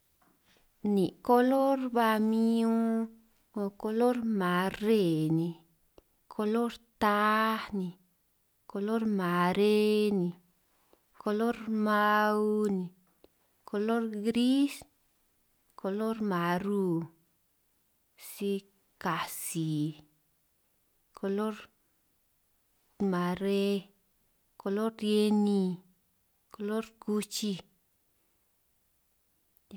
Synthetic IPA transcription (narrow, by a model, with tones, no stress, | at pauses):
ni˨ko˦lo˦ɾba˧mi˦ũ˦ | o˧ko˧lo˦ɾma˨˧re˧˨ni˨ | kʰo˧lo˦ɾt̪a˦ni˨ | ko˧lo˦ɾma˨ɾe˦ni˨ | ko˧lo˦ɾma˦˧wni˨ | kʰo˧lo˦ɾɡɾi˦s | ko˧lo˦ɾma˨ɾu˧ | si˧ | ka˨si˨ | kʰo˧lo˦ɾ | ma˨ɾe˧ | ko˧lo˦ɾje˧ni˧ | ko˧lo˦ɾku˧t͡ʃi˧